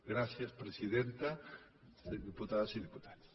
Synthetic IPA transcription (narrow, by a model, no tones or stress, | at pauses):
ɡɾasjaspɾesiðent̪a | sðiput̪aðasiðiput̪aðss